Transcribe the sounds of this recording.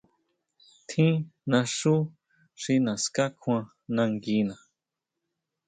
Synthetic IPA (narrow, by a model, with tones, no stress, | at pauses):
t̪ʰĩ˦nã˧ʂu˦ | ʂi˧nã˨ska˦kʰw̃ã˧ | nã˧ŋɡi˧nã˨